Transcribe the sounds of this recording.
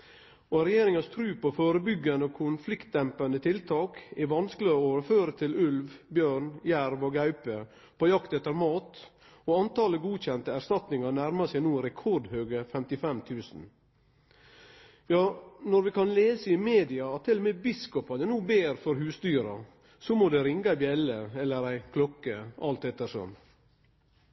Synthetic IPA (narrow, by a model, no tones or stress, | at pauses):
oɾɛjeːɾɪŋɑst̪ʰɾʉːpɔfoːɾəbʏɡːɑnəokʰʊnflɪkt̪̚d̪ɛmpɑnət̪ʰɪlt̪ʰɑːkɛʋɑnsklɪoːʋəɾføːɾət̪ʰɪlʉlʋbjøːɳjæɾʋoːɡɑʉpə | pʰɔjɑkt̪ɛt̪ːəɾmɑːt̪ | oɑnt̪ʰɑːləɡuːc͡çɛnt̪əæɾst̪ɑt̪nɪŋɑnæɾmɑsɛɪnuːəɾɛkʰɔɖhøːɡəfɛmt̪ɪfɛmt̪ʰʉːsn̩ | jɑːnɔɾʋɪkɑnleːsəɪmeːd̪ɪɑɑt̪ʰːɪlːɔmɛbɪskɔpɑnənuːbeːɾfɔɾɦʉːsd̪yːɾɑ̰ | sɔmoːd̪ɛɾɪŋɡɑæɪbjɛləɛlːəɾæɪkʰlɔkːəʔɑlt̪ɛt̪ːəɾʂɔ̰m